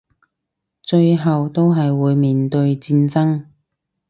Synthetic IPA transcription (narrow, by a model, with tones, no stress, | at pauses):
t͡ʃɵ˧ɥɦɐ˨wt̪o˥wɦɐ˨jwuː˨˧jmiː˨nt̪ɵ˧ɥt͡siː˧nt͡sɐ˥ŋ